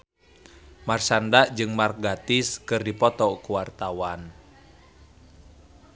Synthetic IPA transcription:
marsandaʔd͡ʒɨŋmark̚ɡat̪iskɨrdipɔt̪ɔkuwart̪awan

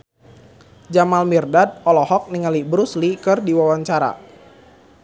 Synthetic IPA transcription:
d͡ʒamalmirdad̪̚ɔlɔhɔk̚niŋalibɾuslikɨrdiwawaɲt͡ʃaɾa̰

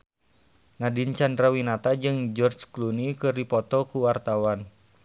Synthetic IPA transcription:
nadint͡ʃandɾawinat̪ad͡ʒɨŋd͡ʒɔrt͡ʃklunikɨrdipɔt̪ɔkuwart̪awan

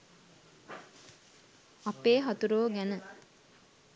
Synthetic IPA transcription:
apeːɦat̪uɾoːɡænə

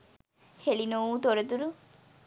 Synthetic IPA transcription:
helinowt̪oɾet̪uɾu

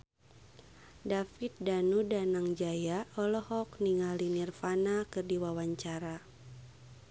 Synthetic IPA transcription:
dafit̪̚danudanaŋd͡ʒajaɔlɔhɔkniŋalinirfanakɨrdiwawaɲt͡ʃaɾa

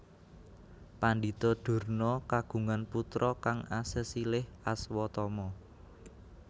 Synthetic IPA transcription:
panɖi̤t̪ɔd̪̥ṳrnɔkaɡ̥ṳŋanput̪ɾʔɔkaŋasəsilɪhaswɔt̪ɔmɔ

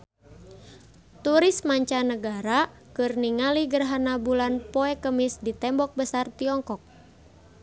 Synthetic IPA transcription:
t̪uɾismaɲt͡ʃanəɡaɾa | kɨrniŋaliɡərɦanabulanpɔɛkəmisdit̪ɛmbɔk̚bəsart̪iɔŋkɔk̚

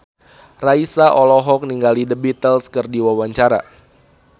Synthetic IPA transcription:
raisaʔɔlɔɦɔk̚niŋɡalidəbit̪əlskərdiwawaɲt͡ʃaɾa

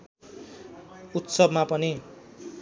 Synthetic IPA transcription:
ut̪sʌbmapʌni

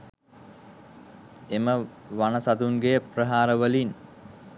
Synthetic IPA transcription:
emə | ʋanəsat̪uŋɡejəprəɦaːɾəʋəlin

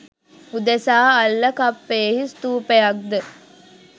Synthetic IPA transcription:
ud̪esaːɐlːɐkɐpːeːɦist̪uːpejɐk̚d̪ə

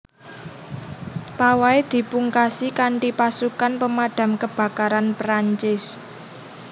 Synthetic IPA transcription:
pawaed̪̥i̤puŋkasikaɳʈipasukanpəmaɖ̥a̤mkəb̥ä̤kaɾanpɾaɲt͡ʃɪs

